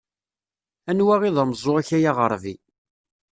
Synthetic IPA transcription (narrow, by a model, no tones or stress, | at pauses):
ænwæʁiðˤɑməzˤːoæçæjaʁəɾˤvi